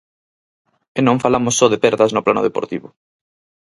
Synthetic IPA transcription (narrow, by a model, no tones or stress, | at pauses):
enõɱfalamʊsːɔðepɛɾðɐznʊplanʊ̰ðepo̰ɾt̪iβʊ